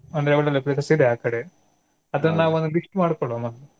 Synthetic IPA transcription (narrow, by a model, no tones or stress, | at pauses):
ɐnd̪ɾeʋɐɭɐlːɐpɾesɐsid̪eaːkɐɽe | ɐd̪ɐnːɐnaːʋuond̪ubiʂʈmaːɽkoɭoːmɐnu